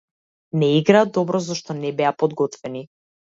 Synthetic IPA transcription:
nɛiɡɾaːd̪ɔbɾɔzɔʃt̪ɔnɛbɛapɔd̪ɡɔt̪vɛni

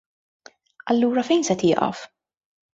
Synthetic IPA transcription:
ɐlːuːɾɐfɛjnsɛt̪jɪːʔɐ̰f

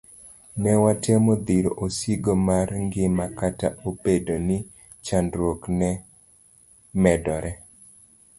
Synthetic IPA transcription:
nɛwatɛmod̪iɾoʔosiɡomarŋɡɪmakataopedonɪ | t͡ʃandɾwoknɛ | mɛdɔɾʔɛ

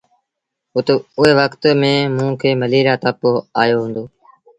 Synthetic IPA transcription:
ʊt̪eʊɦeːʋəkt̪mẽːmũːkʰeːməliːɾaːt̪əpoaːjoːɦũːnd̪oː

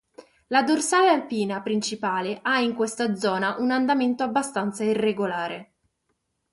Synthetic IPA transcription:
lad̪orsaːlealpiːnapɾint͡ʃipaːleʔaiŋkwest̪ad̪zɔːnaʔunand̪ament̪oabːast̪ant̪sairːeɡolaːɾe

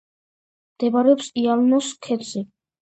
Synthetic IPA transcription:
md̪̥ɛbaɾɛɔpsialnɔskʰɛt̪si

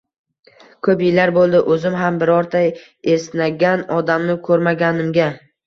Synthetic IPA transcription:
kʰɵpɪlaɾbolˠd̪ɪʔɵzɪmɦambɪɾɒɾt̪ʰaj | esnaɡʲanɒd̪amnɪkʰɵɾmaɡʲanɪmɡʲa

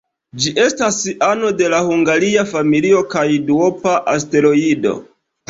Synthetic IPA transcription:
d͡ʒiʔe̞stasano̞de̞lahuŋɡaɾiafamilio̞kajduo̞paʔaste̞ɾo̞ido̞̰

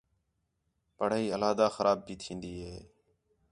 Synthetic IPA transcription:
pəɽ̤aːiːəlaːd̪aːxəɾʔaːb̚biːt̪ʰĩːnd̪iːɦeː

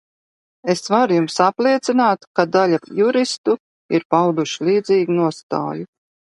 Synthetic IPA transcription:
esvaɾujumsaplˠiɛt̪sinaːt̪kad̪alʲajuɾist̪u | iɾpawd̪uʃlˠiːd̪ziːɡnuɔst̪a̰ːju

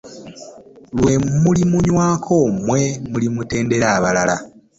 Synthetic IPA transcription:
lwe̞mulimuɲwaːkʰo̞ːmwe̞mulimute̞ːnde̞ɾaːβalala

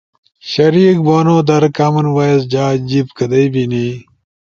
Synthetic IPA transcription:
ɕɐɾiːk̚boːnoːd̪ɐɾɐkaːmɐnwaːɐzd͡ʑaːd͡ʑibkɐd̪ɐjbiniː

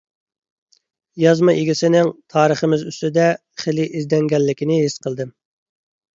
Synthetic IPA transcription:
jɑzmɑʔeɡʲisɪnɪŋt̪ʰɑːɾəχəmɪzyst̪ɪd̪ɛ | χelɪʔizd̪ɛŋɡʲɛlːɪkʲinɪɦisqʰəlˠd̪ɨ

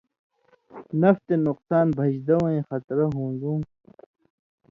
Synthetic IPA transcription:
nɐft̪enuqsaːnbʱɐd͡ʑd̪ɐwẽxɐt̪ɾɐɦũːnɡ̪ũː

